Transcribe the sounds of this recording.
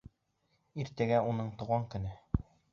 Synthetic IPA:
iɾt̪æɡæunɤɴt̪ŏʁɑŋkɵ̆nɘ

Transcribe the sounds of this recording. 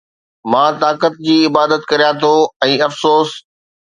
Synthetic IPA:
mãːt̪aːkət̪̚d͡ʑiːɪbaːd̪ət̪kɐɾijat̪ʰoɛ̃ːɐfsoːs

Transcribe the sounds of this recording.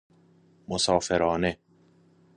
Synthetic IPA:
mosɒːfeɾɒːne

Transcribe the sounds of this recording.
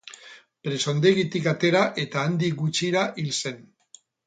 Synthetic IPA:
pɾe̞so̞nd̪e̞ɣit̪ikat̪e̞ɾaʔe̞t̪aːnd̪ikɡut͡ʃiɾaʔilse̞n

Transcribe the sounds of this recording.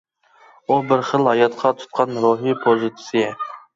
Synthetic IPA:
ubɪɾχəlˠhɑjɑt̪qʰɑt̪ʰu̥t̪̚qʰɑnɾoɦipʰozɨt̪ʰɨ̥sɨjɛ

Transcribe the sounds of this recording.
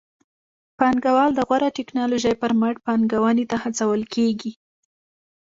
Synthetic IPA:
pɑnɡawɑld̪əɣwaɾaʈɪknɑloʒajpəɾmaʈ̚pɑnɡawanet̪ahat͡sawəlkʰeɡi

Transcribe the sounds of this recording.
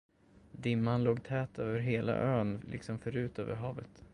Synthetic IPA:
d̪ɪmːanloːɡt̪ʰɛːt̪øːvəɾɦeːla̰ʔøːnlʔɪ̰ksɔmfœɾʉ̟ːt̪ø̰ːvəɾɦɑːvət̪

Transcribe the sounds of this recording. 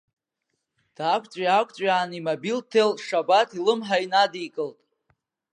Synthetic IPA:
d̥akʷʰʼt͡sʷʼjakʷʰʼt͡sʷʼaːnimabiltʰeltʼʂabatʰilɨmħainadikʼɨltʼ

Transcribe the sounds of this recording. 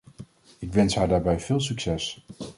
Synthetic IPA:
ɪkʋɛnsɦaːɹdaːɹbɛjvɪːlˠs̬ɵksɛs

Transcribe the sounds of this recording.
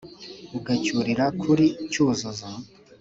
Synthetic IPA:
uɡacuɾiɾakʰuɾicuːzozo

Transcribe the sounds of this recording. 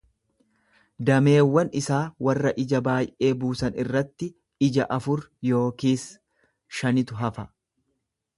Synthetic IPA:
d̪ɐme̞ːwːɐnɪsaːwɐrːɐʔɪd͡ʒɐbaːjʔe̞ːbuːsɐnɪrːɐt̪ːɪ | ɪd͡ʒɐʔɐfʊɾjo̞ːkiːs | ʃɐnɪt̪ʊɦɐfɐ

